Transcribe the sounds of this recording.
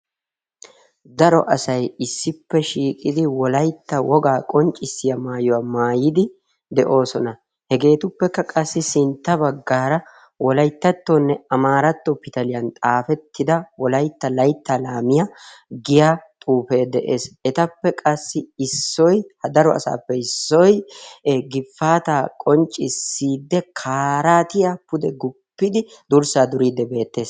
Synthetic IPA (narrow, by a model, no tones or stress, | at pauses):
d̪ɐɾɔ̰ʔɐsɐjɪsːɪpːɛʃiːkʼɪd̪ɪwɔlɐjt̪ːɐwɔɡaːkʼɔnt͡ʃʼɪsːɪjɐmaːjɔwamaːjɪd̪ɪ | d̪ɛʔo̞ːsɔnɐ | hɛɡe̞ːt̪ʊpːɛkːɐkʼɐsːɪsɪnt̪ːɐbɐɡːaːɾɐ | wɔlɐjt̪ːɐt̪ːonːɛɐmaːɾɐt̪ːɔpɪt̪ɐlɪjɐnt̪ʼaːfɛt̪ːɪd̪ɐwɔlɐjt̪ːɐlɐjt̪ːɐlaːmɪjaɡɪjaːt̪ʼuːfe̞ːd̪ɛʔe̞̰ːsɛt̪ɐpːɛkʼɐsːɪɪsːɔjhɐd̪ɐɾɔɐ̰sa̰ːpːɛɪsːɔj | ɡɪfːaːt̪aːkʼɔnt͡ʃʼːɪsːiːd̪ːɛkʰaːɾaːt̪ɪjapʊd̪ɛɡʊpːɪd̪ɪd̪ʊɾsaːd̪ʊɾiːd̪ːɛbe̞ːt̪ːe̞ːs